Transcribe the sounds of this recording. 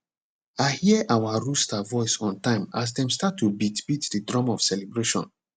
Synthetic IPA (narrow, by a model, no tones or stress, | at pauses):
aɪhiʔawaɹustavɔɪsɔ̃ntãɪ̃ma̰s̬dɛ̃mstatʰːubitbitdədɹɔ̃mɔv̥sɛlɛbɹeʃɔ̰̃n